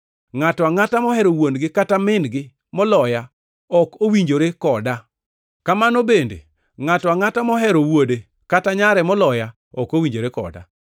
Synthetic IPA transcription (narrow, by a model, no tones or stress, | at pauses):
ŋatɔaŋatamɔɦɛɾowonɡɪkatamɪnɡɪ | mɔlɔja | ɔkowiɲd͡ʒoɾekɔda | kamanobendḛ | ŋatɔaŋatamɔɦɛɾowode | kataɲaɾɛmɔlɔja | ɔkowiɲd͡ʒoɾekɔ̰da̰